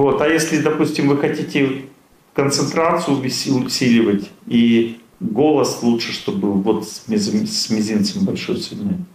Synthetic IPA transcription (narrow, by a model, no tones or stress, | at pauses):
vo̞t̪ɐjesʲlʲɪd̪ɐpusʲtʲɪmvɨxɐtʲitʲɪ | kənt̪sɨnt̪ɾat̪sɨjʊvʲɪʊsʲilʲɪvətʲi | ɡo̞lˠəslˠutʂɨ̥ʂt̪o̞bɨvo̞t̪sʲmʲɪzɨmʲsʲmʲɪzʲint̪sɨmʲbɐlʲʂo̞jtsʲɪd̪ʲnoj